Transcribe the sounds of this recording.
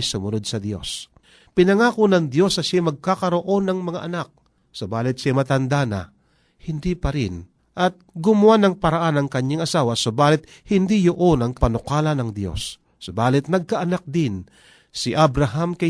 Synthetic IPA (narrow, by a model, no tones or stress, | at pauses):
sʊmʊno̞d̪̚sɐd̪jo̞̰s | pɪnɐŋaːkonɐŋd̪jo̞snɐʃamɐɡ̚kakɐɾo̞ʔo̞nɐŋmɐŋaʔɐnak̚ | sobaːlɪt̪̚ʃamɐt̪ɐnd̪anɐ̰ | hɪnd̪ipɐɾɪn | ʔɐt̪̚ɡʊmʊwanɐŋpɐɾɐʔanɐŋkɐɲːaŋɐsaːwɐsobaːlɪt̪̚ | hɪnd̪ijoʔonɐŋpɐnʊkaːlɐnɐŋd̪jo̞̰sː | obaːlɪt̪̚nɐɡ̚kɐʔɐnak̚d̪ɪn | sɪʔabɾaɦamkɐ